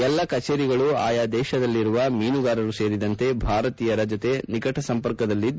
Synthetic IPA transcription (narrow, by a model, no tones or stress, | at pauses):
ɛlːɐkɐt͡ʃeːɾiɡɐɭuaːjaːd̪ɛːʃɐd̪ɐlːiɾuʋɐmiːnuɡaːɾɐɾuse̞ːɾid̪ɐnt̪e̞bʱaːɾɐt̪iːjɐɾɐd͡ʒɐt̪e̞nikɐʈʰɐsɐmpɐɾkɐd̪ɐlːi